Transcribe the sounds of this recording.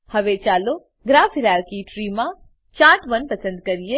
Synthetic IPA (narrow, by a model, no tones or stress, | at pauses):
hɐʋet͡ʃaːlo | ɡɾaːfɪɾaːɾkiʈɾiːmã | t͡ʃãːʈʋɐnpɐsə̃nd̪̚kɐɾije